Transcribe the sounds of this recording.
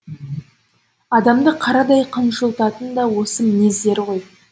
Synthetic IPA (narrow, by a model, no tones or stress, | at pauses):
ɑd̪ɑmd̪əqʰɑɾɑd̪ɑjqʰənʃəlˠt̪ɑt̪ənd̪ɑwo̞səmɪne̞zd̪e̞ɾʁo̞j